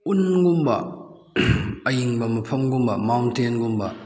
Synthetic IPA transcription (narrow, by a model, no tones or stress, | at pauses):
ʔunɡumbɐ̰ | ɐjiŋbɐmɐpʰɐmɡumbɐmawntenɡumbɐ